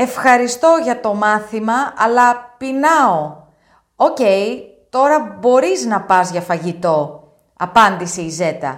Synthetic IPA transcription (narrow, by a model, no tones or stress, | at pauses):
e̞fxɐɾist̪o̞ʝɐt̪o̞mɐθimɐɐlɐpinɐo̞ | oce̞j | t̪o̞ɾɐbo̞ɾiznɐpɐzʝɐfɐʝit̪o̞ | ɐpɐnd̪iseize̞t̪ɐ̰